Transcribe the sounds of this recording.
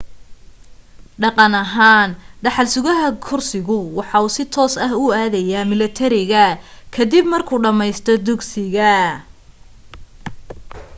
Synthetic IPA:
ɖɑqɑnɐɦaːnɖɑħɑlsʊɣɐɦɐkʰʊrsɪɣʊwɑħɑuːsɪt̪ʰɔːsɐɦʊaːðɐjaːmɪlɐt̪ʰɐɾɪɣɐkʰɐd̪ibmɐrkʰuːɖɐmɛjst̪ʰɔd̪ʊɡsɪɣɐ

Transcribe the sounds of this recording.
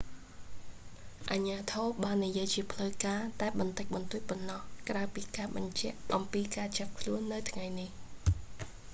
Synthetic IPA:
ʔaɲaːt̪ʰoːɓaːnːijiəjt͡ɕiəpʰləwkaːt̪aɛɓɑnt̪əc̚ɓɑnt̪uəc̚pɑnːɑhkraəpiːkaːɓɑɲt͡ɕɛ̆əʔʔɑmpiːkaːt͡ɕap̚kʰluənːɨwt̪ʰŋajnih

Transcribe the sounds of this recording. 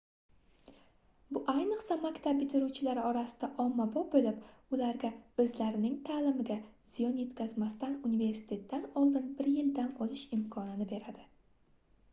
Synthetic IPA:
bʊʔajnɨqsamakʲt̪ʰab̚bɪt̪ʰɪɾuwt͡ʃʰɪlaɾɒɾasɪ̥d̪̥aʔɒmːabɒbolɪpʊlaɾɡʲaɵzlaɾɪnɪŋt̪ʰaːlɪmɪɡʲaz̥ɪjɒnje̞t̪kʲʰazmast̪anunive̞ɾsɪ̥t̪ʰe̞t̪ʰːanɒlˠd̪ɪnbɪɾjɪld̪anɒlɪʃɪmkʰɒnɪnɪbe̞ɾad̪ɪ

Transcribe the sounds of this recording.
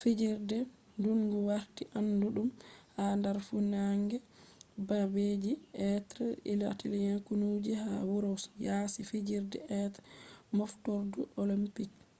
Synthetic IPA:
fid͡ʒiɾdɛ | duŋɡuwaɾtiʔanduɗumhandaɾfunaŋɡɛ | babed͡ʒiʔɛtɾɛ̰ḭla̰tilijakunud͡ʒihawuɾɔsjasifid͡ʒiɾdɛ̰ʔɛtmɔftɔɾduʔolimpik̚

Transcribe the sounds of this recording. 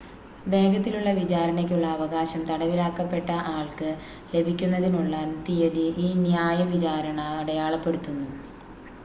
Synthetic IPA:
ʋe̞ːɡɐt̪ːiluɭːɐʋit͡ɕaːɾɐɳɐk̬ʲːuɭːɐːʋɐɣaːɕɐmt̪ɐɽɐʋilaːkːɐpːe̞ʈːɐʔaːɭkɨ | le̞bʱikʲːunːɐðinuɭːant̪ijɐðiʔiːnjaːjɐʋit͡ɕaːɾɐɳɐuɽɐjaːɭɐpːe̞ɽut̪ːunːu

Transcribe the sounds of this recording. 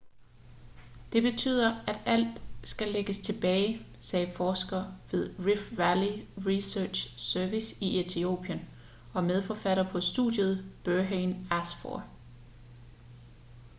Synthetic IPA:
d̥e̝b̥e̝t͡sʰy̰ːð̞̰ˠɐæd̥æl̰d̥sɡ̥æleɡ̥əst͡sʰe̝b̥ɛːɪsɛːfɒːsɡ̥ɐʋe̝ð̞ˠʁifʋæliʁisøɐ̥ɕsœɐʋisiʔet͡sʰio̝̰ːb̥ʰiən | ɒ̽með̞ˠfɒfæɾɐpʰɒ̽sd̥ṵdˠjəð̞ˠb̥øɐɦenæsfɒ̰ɐ

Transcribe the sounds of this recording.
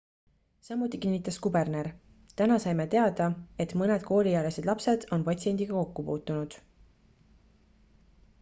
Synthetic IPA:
sɑmːut̪ːˑikinːit̪ːˑɑskube̞rneɾ | t̪ænɑsɑjmet̪e̞ɑd̪̥ɑe̞t̪ˑmɤned̪̥ko̞ːlʲijæle̞se̞d̪̥lɑpse̞d̪̥o̞npɑt̪sie̞nʲd̪̥iɡ̥ɑko̞kːupuːt̪ːˑunud̪̥

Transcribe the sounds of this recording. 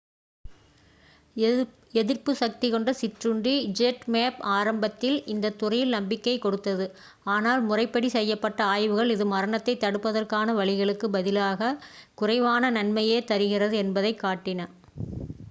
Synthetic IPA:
ɛðɪrpɯsɐk̚t̪ikɔɳɖɐsɪʈrɯɳɖid͡ʒɛʈmeːpaːɾɐmbɐt̪ːɪlɪnd̪ɐt̪ːʊrɐjɪlnɐmbɪkːɐɪkːɔɽɯt̪ːɐðɯ | aːnaːlmʊrɐɪpːɐɽisɛjːɐpːɐʈːɐaːjʋɯɣɐɭɪðɯmɐɾɐɳɐt̪ːɐɪt̪ːɐɽɯpːɐðɐrkaːnɐʋɐɭɪɣɐɭɯkːɯbɐðɪlaːɣɐkʊrɐɪʋaːnɐnɐnmɐjeːt̪ɐɾɯɣɪrɐðɯɛnbɐðɐɪkːaːʈːɪnɐ

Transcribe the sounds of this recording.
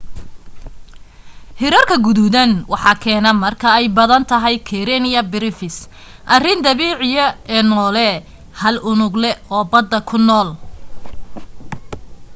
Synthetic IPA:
hɪɾɐrkʰɐɡʊðuðɐnwɑħɑːkʰɛːnɐmɐrkʰɐɛjbɐðɐnt̪ʰɐɦɛjkʰɛɾɛnɪjɐbɪɾɪfɪs | ʔɐrɪnd̪ɐβiːʕɪjɐɛːnɔːlɛ | hɐlʊnʊɡlɛɔːbɐd̪ːɐkʰʊnɔːl

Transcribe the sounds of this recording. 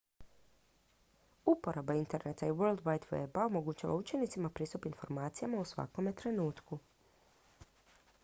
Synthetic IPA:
upo̞ɾabaint̪e̞ɾne̞t̪aiʋøɾlˠd̪ʋajt̪ʋḛbao̞mo̞ɡut͡ʃa̰ʋa̰ut͡ʃe̞nit̪simapɾiːst̪upinfo̞ɾmaːt̪sijamausʋa̰ko̞me̞t̪ɾe̞nuːt̪ku

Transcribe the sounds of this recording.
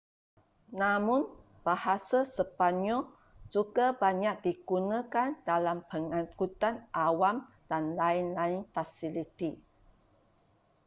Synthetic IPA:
nãmʊ̃n | b̥ahasasəpaɲɔl | d͡ʒuɡabaɲak̚diɡunãkandalampəŋãkut̪anʔawam | d̥anlaɪnlaɪnfasilit̪i

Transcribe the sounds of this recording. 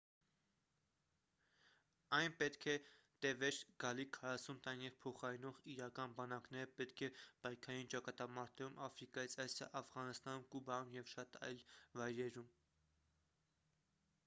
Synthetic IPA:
ɑjnpɛt̪kʰɛ | t̪ɛvɛɾɡ̥ɑlikʰɑɾɑsunt̪ɑnjɛvpʰɔχɑɾinɔʁiɾɑkɑnbɑnɑknɛɾəpɛt̪kʰɛpɑjkʰɑɾint͡ʃɑkɑt̪ɑmɑɾt̪ɛɾumɑfɾikɑjit͡sʰɑsɑ̰ʔɑfʁɑnəst̪ɑnumkubɑumjɛvʃɑt̪ɑ̰jlvɑjɾɛɾum

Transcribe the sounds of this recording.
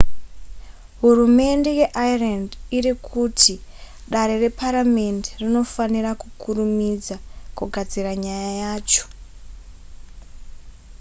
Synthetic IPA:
ɦurume̞nde̞je̞ʔairandirikʰutʰi | ɗaɾe̞re̞paɾame̞nderino̞fanirakukʰurumid͡zakuɡʱad͡ziraɲajajaːt͡ʃo̥

